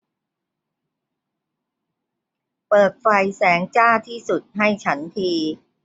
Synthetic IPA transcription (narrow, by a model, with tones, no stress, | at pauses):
pɤː˨˩t̪̚fa˧˩jsɛː˩˦ŋt͡ɕaː˥˩t̪ʰiː˥˩su˨˩t̪̚ɦa˥˩jt͡ɕʰa˦˥nt̪ʰiː˧